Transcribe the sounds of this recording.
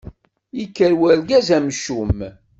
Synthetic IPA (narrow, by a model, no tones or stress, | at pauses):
ikːəɾwæɾɡæzæmʃum